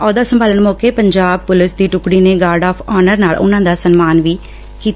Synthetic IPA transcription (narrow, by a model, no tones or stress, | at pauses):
ɔːd̪aːsəmbʱaːlənmɔːkeːpəɲd͡ʒaːb̚pʊlɪsd̪iːʈʊkɽiːneːɡaːɾɖaːpʰɔːnəɾnaːlʊ̰nãːd̪aːsənmaːnʋiː | kiːt̪